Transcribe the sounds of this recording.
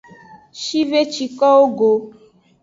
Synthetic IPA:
ʃi˦ve˦t͡ʃi˨˦kɔ˦wo˦ɡo˨

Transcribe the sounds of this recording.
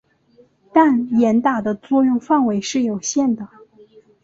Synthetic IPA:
t̪a˥˩njɛ˧˥nt̪a˨˩d̪ə˦t͡swɔ˥˧jʊ˥˧ŋfa˥˩nwe˧˥ɪʂɻ̩˥˩jo˨˩ʊɕjɛ˥˩nd̪ə˩

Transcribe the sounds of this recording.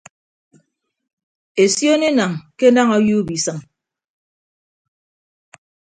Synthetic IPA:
e˨sjo˦ne˦na˨ŋke˦na˦ŋɔ˦ju˦bi˨sɨ˨ŋ

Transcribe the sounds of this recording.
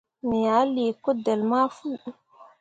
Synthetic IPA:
mi˨ja˨˦li˨ko˦de˨lma˦fu˦

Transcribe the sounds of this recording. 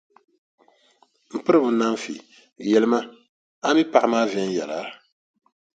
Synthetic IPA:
m̩˨pɨ˦ɾɨ˦bʊ˨˦na˦ɱ˦fḭ˨ | jɛ˨lɨ˦ma˦ | a˦mi˦pa˨ʔmaː˦vɛ˦n˦jɛ̰˨laː˦l

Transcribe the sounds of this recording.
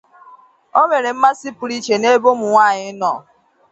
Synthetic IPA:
o˦me˨ɾe˨m̩˦ma˦sɪ˦pʊ˨ɾi˦t͡ʃe˨ne˦bo˦mʊ˨ŋʷaː˦˨ɲɪ˦nɔ˦˨

